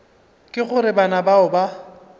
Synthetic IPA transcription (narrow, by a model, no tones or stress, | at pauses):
kʼɪχʊɾɪbanabaʊba